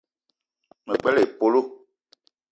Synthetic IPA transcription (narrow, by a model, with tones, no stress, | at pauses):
mə˨k͡pɛ˦le˨po˨lo˦˨